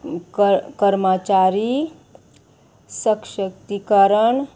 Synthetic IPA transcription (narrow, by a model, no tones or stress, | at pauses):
kəɾmat͡ʃaɾi | səkʃək̚t̪ikəɾəɳ